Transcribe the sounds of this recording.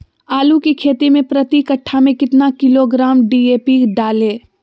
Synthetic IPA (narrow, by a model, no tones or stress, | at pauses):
aːlukikʰeːt̪imẽpɾɐt̪ikɐʈʰːamẽkɪt̪nakɪloɡɾaːmɖiːeːpikɖaːlẽː